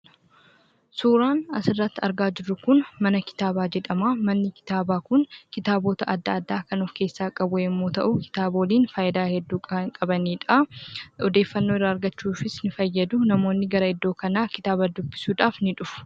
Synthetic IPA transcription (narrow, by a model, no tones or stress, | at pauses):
suːɾaːnɐ̰sɪrːɐt̪ːɐɾɡaːd͡ʒɪɾːʊkʊnmɐnɐkɪ̥t̪aːbaːd͡ʒɛᶑ̪ɐmaːmɐnːɪkɪ̥t̪aːbaːkʊnkɪt̪aːbo̞ːt̪ɐʔɐd̪ːaːd̪ːaːkɐnʊfke̞ːsːaːkʼɐbʊɪmːo̞ːt̪ɐʔʊkɪ̥t̪aːbo̞ːliːnfaːjɪd̪aːhɛd̪ːuːkʼɐbɐniːᶑɐaɔd̪e̞ːfːɐnːoːɪrːaːɐɾɡɐt͡ʃːuːfɪsnɪfɐjːɐd̪ʊnɐmo̞ːnːɪɡɐɾɐɪd̪ːo̞ːkɐnaːkɪ̥t̪aːbɐd̪ʊbːɪsuːᶑ̪aːfnɪᶑʊfʊ̥